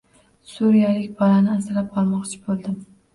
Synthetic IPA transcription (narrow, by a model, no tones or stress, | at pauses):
suɾijalɪkʲbɒlanɪasɪlap̚qɒlˠmɒqt͡ʃʰɪ̥bolˠd̪ɪm